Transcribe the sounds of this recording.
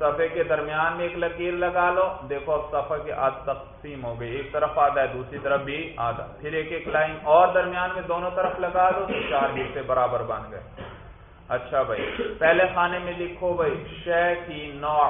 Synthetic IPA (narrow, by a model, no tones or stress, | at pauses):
sɐfʰəked̪ɐɾmijaːnmẽeːklɐkiːɾlɐɡaːlod̪eːkʰoɐbsɐfəkeʔaːd̪t̪ɐqsiːmɦoːɡɐieːk̚t̪ɐɾəfaːd̪aːɛd̪uːsɾit̪ɐɾəfbʱiaːd̪a̰ːpʰɪɾeːkeːklaːɪmɔːɾd̪ɐɾmijaːnmẽd̪oːnõt̪ɐɾəflɐɡaːlõt̪t͡ʃaːɾɦiːɾsebɐɾaːbəɾbɐ̃nd̪ɡɐe | ɐtːʃʰabʱaḭpɛɦlexaːnemẽlɪkʰːobʱɐiʃɛːkinɔː